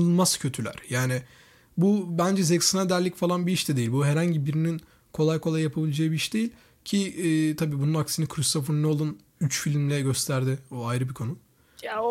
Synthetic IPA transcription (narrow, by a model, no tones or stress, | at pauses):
ɯlˠmaz̥cʰø̞t̪ʰylʲæ̰ɾ̥jaːnɪ | bubænd͡ʒɛzeksinad̪æɾlʲːicfalˠanbiiʃd̪ɛd̪e̞jilʲbuɦeɾhaɲɟibiɾinin | kʰo̞lˠajkʰolˠajːjapʰabilʲed͡ʒaːɯbiiʃd̪e̞jilʲ | cʰiːt̪ʰabiːbununaksinikʰɾist̪ofuɾnɛo̞lˠun | yt͡ʃfilʲimlʲɛɟø̞st̪ʰæɾd̪ɪoajɾɯbikʰo̞nu